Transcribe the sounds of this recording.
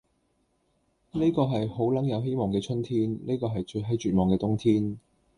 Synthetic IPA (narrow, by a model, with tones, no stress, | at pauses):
ne˥jkɔː˧ɦɐ˨jho˨˥wlɐ˨˥ŋjɐ˨˧wɦe˥jmɔː˨˩ŋkɛː˧t͡ʃʰɵ˥nt̪ʰiː˥nne˥jkɔː˧ɦɐ˨jt͡ʃɵ˧ɦɐ˨˥jt͡ʃyː˨t̚mɔː˨˩kɛː˧t̪ʊ˥ŋt̪ʰiː˥n